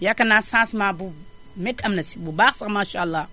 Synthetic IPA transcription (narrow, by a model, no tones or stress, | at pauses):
jakanasãsmabu | mɛtamnasi̥bubasamaʃalːa